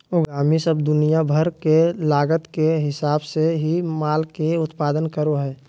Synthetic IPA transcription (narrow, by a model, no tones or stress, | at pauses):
oɡaːmisəbd̪ʊnijabʱəɾkelaːɡət̪keɦɪsaːbseɦimaːlkeʊt̪paːd̪ənkəɾoɦɛː